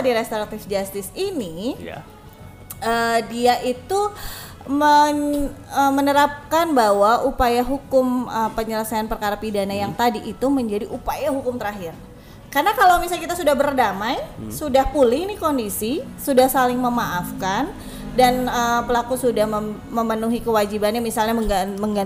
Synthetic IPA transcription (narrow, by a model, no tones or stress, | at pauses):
diɾest̪oɾat̪ɪfd͡ʒast̪ɪsinḭ | ədiaʔit̪u | mə | əmənəɾap̚kanbawaʔupajaɦukʊməpəɲələsajanpərkaɾapidanajaŋt̪adiʔit̪uməɲd͡ʒadiʔupajaɦukʊmt̪əɾaɦɪr | karnakalawmisalkit̪asudahbərdamajsudahpulɪhnikondisisudahsalɪŋməmaʔafkan | danəpəlakusudahmə | məmənuɦikəwad͡ʒibanjamisalɲaməməŋɡa